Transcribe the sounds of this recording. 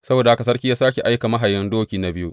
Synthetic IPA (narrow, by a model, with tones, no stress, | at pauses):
sɐ˦boː˨da˨ha˦ka˨s̬ɐ˦rkʲi˦jaː˦saː˦kʲe˨ʔa˦jka˨mɐ˦ɦa˨jɐ˦ndoː˦kʲiː˨na˨˦bɪ˦ju˦ʔ